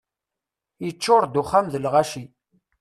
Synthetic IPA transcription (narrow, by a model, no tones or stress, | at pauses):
jət͡ʃːʊɾˤd̪uχːæmðəlʁaʃi